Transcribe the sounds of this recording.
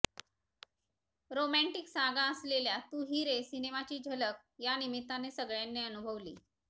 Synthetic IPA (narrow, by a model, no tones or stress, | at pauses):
ɾomæɳʈiksaɡaəsleljat̪uɦiɾesinemat͡ɕiːd͡ʑʱələk̚ | janimit̪ːanesəɡɭjanːeənubʱəʋliː